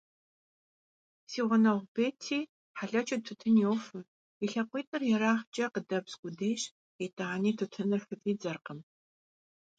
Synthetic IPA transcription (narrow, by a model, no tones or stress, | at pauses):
siːʁʷʊnɐʁʷbeːtʰiː | ħaɬɐt͡ʃʰʼɨtʰʊtʰɨnjewfɨ | iɬɐqʷʼiːtʼɨrjɛɾaːχt͡ʃʼɐqədɐbskʷʊdeːɕ | etʼaːniːtʰɨtʰɨnɨrfɨpʼiːd͡zɐrqəm